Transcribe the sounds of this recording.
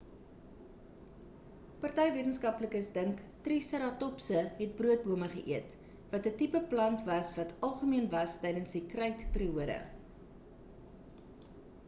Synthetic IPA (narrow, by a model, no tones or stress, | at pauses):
pɐrtɛjviətənskɐpləkəsdəŋktrisəɾɑtɔpsəɦɛt̚bruət̚buəməχəʔiət | vɐtətipəplɐntvɐsvɐtɐlˠχəmiənvɐstɛjdənsdikrɐjtpəriuədə̰